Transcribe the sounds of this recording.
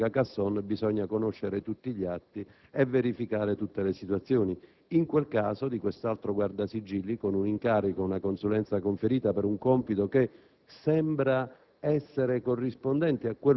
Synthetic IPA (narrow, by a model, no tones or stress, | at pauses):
akasːɔnbizɔɲːakonoʃːeɾɪt̪ut̪ːiʎːat̪ːi | ɛvːeɾifikaːɾet̪ut̪ːelesit̪wat̪sːjɔːni | iŋkwelkaːsod̪ikwest̪alt̪ɾoɡward̪asid͡ʒːilːikonuniŋkaːɾikounakonsulɛnt̪sakoɱfeɾiːt̪apɛɾuŋkɔmpit̪oke | sɛmbɾa | ɛsːeɾekorːispond̪ɛnt̪iakːwe